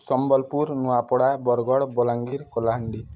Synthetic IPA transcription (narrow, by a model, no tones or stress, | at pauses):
sɔmbɔlpuɾnuapɔɽabɔɾɡɔɽbɔlaŋɡiɾkɔlaɦaɳɖi